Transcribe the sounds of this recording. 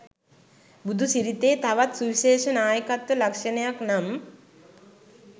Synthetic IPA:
bud̪ʱusiɾit̪eːt̪aʋat̪suʋiʃeːʃɐnaːjəkat̪ʋəlɐkʂɐnɐjaknam

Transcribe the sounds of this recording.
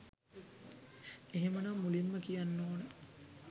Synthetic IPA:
eɦemənamːulimːəkijanːoːnə

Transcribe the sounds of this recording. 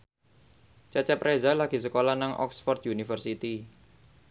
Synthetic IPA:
t͡ʃat͡ʃɛpɾezalaɡ̥i̤s̬əkolanaŋʔɔ̰ksfɔrt̪̚junifərsit̪i

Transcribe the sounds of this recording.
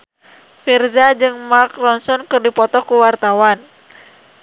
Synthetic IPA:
firzad͡ʒɨŋmarkrɔnsɔnkɨrdipɔt̪ɔkuwart̪awan

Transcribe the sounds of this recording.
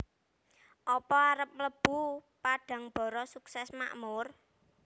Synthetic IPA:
ʔɔpɔaɾəp̚mləb̥ṳpaɖ̥ä̤ŋb̥ɔ̤ɾɔsuksɛsma̰ʔmʊr

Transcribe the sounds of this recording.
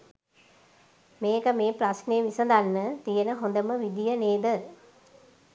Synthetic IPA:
meːkəmeːpɾasneːʋisəd̪anːət̪ijənəɦond̪əməʋid̪ijəneːd̪ə

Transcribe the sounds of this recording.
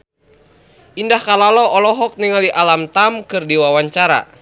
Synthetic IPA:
ʔindahkalalɔɔlɔɦɔk̚niŋaliʔalamt̪amkɨrdiwawaɲt͡ʃaɾa̰

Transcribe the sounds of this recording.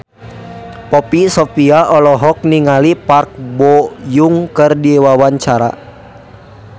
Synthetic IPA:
pɔpisɔpiaʔɔlɔɦɔk̚niŋalipark̚bɔjuŋkɨrdiwawaɲt͡ʃaɾa̰

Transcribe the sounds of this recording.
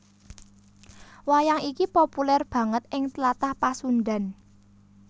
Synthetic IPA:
wajaŋikipopulɛrb̥ä̤ŋət̪ɪŋt̪lat̪ahpasunɖa̤n

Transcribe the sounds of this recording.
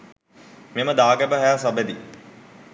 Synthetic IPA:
meməd̪aːɡæbəɦæasabəd̪i

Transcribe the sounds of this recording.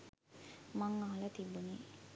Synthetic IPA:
mɐŋːaɦɐlɐt̪ibːuni

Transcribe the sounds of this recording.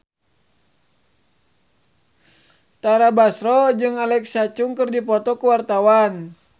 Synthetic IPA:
t̪aɾabasɾɔd͡ʒɨŋalɛksat͡ʃuŋkɨrdipɔt̪ɔkuwart̪awan

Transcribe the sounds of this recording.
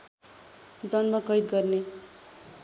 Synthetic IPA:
d͡zʌnmʌkʌjd̪̚ɡʌrne

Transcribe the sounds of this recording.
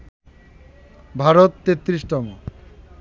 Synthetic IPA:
bʱaɾot̪ːet̪ːɾiʃʈɔmo

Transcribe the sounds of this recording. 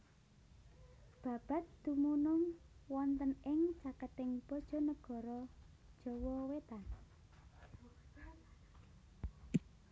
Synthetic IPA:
b̥ä̤b̥a̤t̪̚d̪̥umunʊŋwɔnt̪ənɪŋt͡ʃakət̪ɪŋb̥ɔd̥ʒ̥ɔ̤nəɡ̥ɔ̤ɾɔ̥ | ʒ̥ɔwɔwet̪an

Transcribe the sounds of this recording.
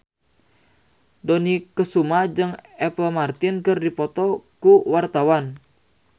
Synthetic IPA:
dɔnikəsumad͡ʒɨŋɛpəlmart̪inkɨrdipɔt̪ɔkuwart̪awan

